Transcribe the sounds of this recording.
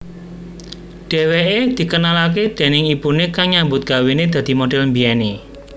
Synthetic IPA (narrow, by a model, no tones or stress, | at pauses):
ɖ̥e̤weʔed̪̥i̤kənalak̬ed̪̥e̤nɪŋib̥ṳnekaŋɲambʊt̪̚ɡ̥a̤wined̪̥ä̤d̪̥i̤moɖɛlmbiɛne